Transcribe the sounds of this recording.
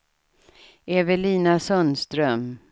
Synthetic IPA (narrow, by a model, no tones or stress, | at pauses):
evəɭiːnasœnst̪ɾœm